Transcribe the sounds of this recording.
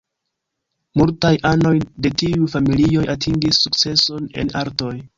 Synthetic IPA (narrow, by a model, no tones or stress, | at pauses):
multajʔano̞jde̞tiufamilio̞jatʰiŋɡisːukt͡se̞so̞ne̞̰naɾto̞j